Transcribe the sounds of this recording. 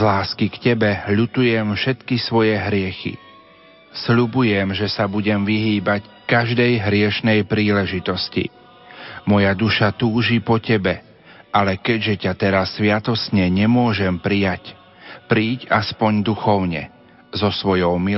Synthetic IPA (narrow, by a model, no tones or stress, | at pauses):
zlaːskikcɛbɛʎut̪ujɛmfʃɛt̪kisʋɔjɛɦɾɪɛxḭ | sʎubujɛmʒɛsabuɟɛmʋiɦiːbac | kaʒd̪ɛjɦɾɪɛʃnɛjpɾiːlɛʒit̪ɔscḭ | mɔjad̪uʃat̪uːʒipɔcɛbɛ | ʔalɛkɛɟʒɛcat̪ɛɾasːʋɪat̪ɔsɲɛɲɛmʊɔʒɛmpɾijac | pɾiːcaspɔɲd̪uxɔʊɲɛ̰ | zɔsʋɔjɔʊmi